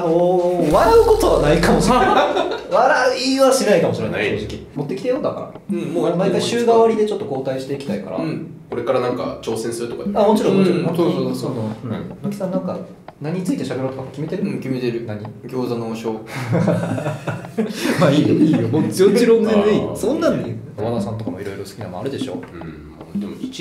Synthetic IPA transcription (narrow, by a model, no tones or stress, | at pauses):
anoβaɾaɯko̞t̪o̞βanaikamoɕieβaɾaɯ̟iβaɕinaikamo̞ɕiɾḛ̃naikʲimot̪ːe̞kʲi̥t̪ejo̞ːd̪aka̰ɾa̰ | ɯ̃momaikaiɕɨːɡaβaɾʲid̪e̞t͡ɕo̞t̪ːo̞ko̞ːt̪aiɕi̥t̪e̞ikʲt̪aika̰ɾã̰ko̞ɾe̞kaɾanãŋka̰t͡ɕo̞ːsẽ̞ɰ̃sɨɾɯ̟t̪oka̰amo̞t͡ɕiɾõmmot͡ɕiɾõnakoosanonokʲi̥sãnːãŋka | naɲ̟ɲit͡sɨit̪e̞ɕabe̞ɾoːt̪okamokʲime̞t̪eɾɯ̟kʲime̞t̪eɾɯ̟naɲ̟iɡʲo̞ːzanoɕo̞ː | maːiːd̪eiːomoot͡ɕiɾõnd̪enisõnːãnioβad̪asãnt̪okamo̞iɾo̞iɾo̞sɨ̥kʲinamoa̰ɾɯ̟d̪e̞ɕo̞̰ːɯ̃ | ad̪emoit͡ɕ